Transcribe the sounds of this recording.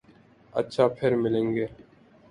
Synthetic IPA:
ə̰tːʃʰaːpʰɪɾmɪlẽːŋɡeː

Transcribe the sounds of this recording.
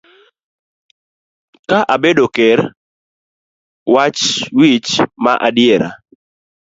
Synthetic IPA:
kaʔabedokɛr | wat͡ʃwit͡ʃmaʔadɪeɾa̰

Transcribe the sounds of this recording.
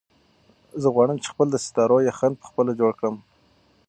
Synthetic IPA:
zəɣwɑɽ̃əmt͡ʃe̥xpəld̪əsɪ̥t̪ɑɾojaxan̚pə̥xpəlad͡ʒoɽkɽəm

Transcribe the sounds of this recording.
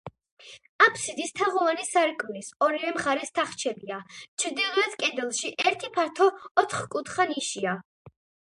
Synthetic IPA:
apʰsid̪ist̪ʰaʁɔvanisaɾkʼmlisɔɾivɛmχaɾɛst̪ʰaχt͡ʃʰɛbiat͡ʃʰɾd̪ilˠuɾad̪kʼɛd̪ɛlˠʃiʔɛɾt̪ʰipʰaɾt̪ʰɔːt̪ʰχkʼut̪χaniʃia

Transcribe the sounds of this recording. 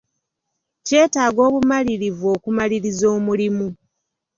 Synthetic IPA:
ce̞ːtaːɡo̞ːβumaliɾivuo̞ːkumaliɾizo̞ːmulimu

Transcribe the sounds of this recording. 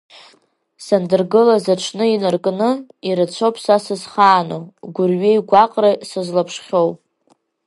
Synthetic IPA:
sandɨrɡɨlazaʈ͡ʂʷʰnɨinɨrkʼnɨiɾat͡sʷʰopʰsasɨzχaːnowɡʷʊrɥejɡʷaqʼrasɨzlapʰʂχʲowpʼ

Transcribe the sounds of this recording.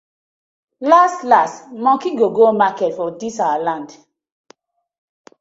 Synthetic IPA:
lastlastmɔ̃kiɡoɡomakɛtfɔdisawalãnd

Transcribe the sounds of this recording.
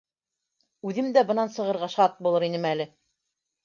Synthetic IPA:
ʉðɘmd̪æbɤ̆nɑnsɤ̆ʁɤ̆ɾʁɑʃɑt̪̚bulˠɤɾinɘmælɘ

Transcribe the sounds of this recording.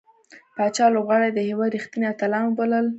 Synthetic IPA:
pɑt͡ʃɑlobɣɑɽed̪əhewɑd̪ɾixt̪ineat̪alɑnbaləl

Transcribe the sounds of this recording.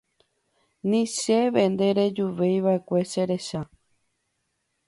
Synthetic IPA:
nĩʃeʋe̞nd̪e̞ɾe̞d͡ʒuʋe̞jʋae̞kʷe̞ʃeɾe̞ʃa

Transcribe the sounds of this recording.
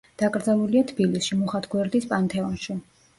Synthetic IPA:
d̪̥akʼɾd̪zalˠuliat̪ʰbilisʃimuχat̪ʰɡwɛɾd̪ispʼant̪ʰɛɔnʃi

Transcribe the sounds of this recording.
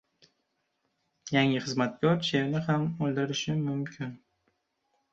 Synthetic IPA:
jaŋɪχɨzmat̪kʲɒɾt͡ʃʰeɾnɪhamolˠd̪ɪɾɪʃɪmʊmkʲʰɪn

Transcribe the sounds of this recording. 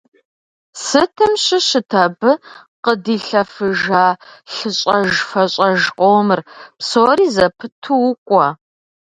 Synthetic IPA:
sɨtʰɨmɕɪɕɪtʰɐbɨ | qədiːɬɐfɨʒaːɬɨɕʼɐʒfɐɕʼɐʒqʼoːmɨrpsoːriːzɐpʰɨtʰuwʊkʷʼɔ

